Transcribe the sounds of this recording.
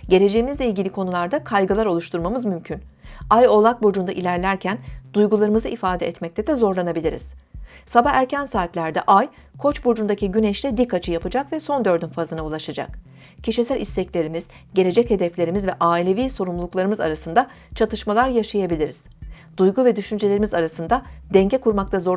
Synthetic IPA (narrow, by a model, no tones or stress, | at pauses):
ɟe̞ɾʲe̞d͡ʒejimizlʲeilʲɟʲilʲikʰo̞nulˠaɾd̪akʰajɡɯlˠaɾo̞lˠuʃt̪ʰuɾmamɯzmymcʰynajo̞lˠak̚bod͡ʒunaʔilʲæɾlʲæɾcʰænd̪̥ujɡulˠaɾɯmɯzɯʔifaːd̪ɛʔɛt̪mɛc̚t̪ɛd̪ɛzo̞ɾlˠanabilʲiɾḭz̥sabaxæɾcʰænsaːt̪lʲæɾd̪ɛʔaj | kʰo̞t͡ʃbud͡ʒund̪acʰiɟynɛʃlʲɛd̪ikʰːat͡ʃʰɯjapɯd͡ʒakvɛso̞nd̪ø̞ɾd̪ynfazɯnaulˠaʃad͡ʒa̰k | cʰiʃisælʲʔist̪ʰɛclʲe̞ɾimiz̥ | ɟe̞lʲe̞d͡ʒɛche̞d̪ɛflʲe̞ɾimizvɛʔaːilʲe̞viːso̞ɾumlˠuklˠaɾɯmɯza̰ɾasɯnd̪a | t͡ʃʰat̪ʰɯʃmalˠaɾjaʃajabilʲiɾiz̥ | d̪̥ujɡuvɛd̪yʃynd͡ʒelʲe̞ɾimizaɾasɯnd̪ad̪ɛɲɟɛkuɾmak̚t̪ʰazo